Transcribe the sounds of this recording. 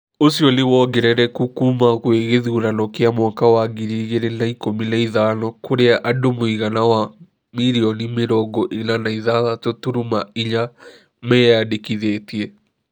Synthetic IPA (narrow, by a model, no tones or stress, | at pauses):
osiɔnewɔɡɛɾɛɾɛkukumaɣweɣeðiuɾanɔkeamwakawaɡiɾiɣeɾenaikominaiðaːnɔkoɾeaʔadomoiɣanawa | miɾiɔnimeɾɔɡɔʔenanaiðaðatotuɾumaiɲa | mɛjadekiðetiɛ